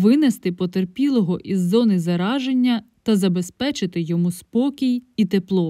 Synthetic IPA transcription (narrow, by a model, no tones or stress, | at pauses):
ʋɪnest̪ɪpɔt̪erpʲilˠɔɦɔʔizːɔnɪzɐɾɑʒe̞nʲːɐ | t̪ɐzɐbe̞spɛt͡ʃɪt̪ɪjɔmuspɔkʲijit̪eplˠɔ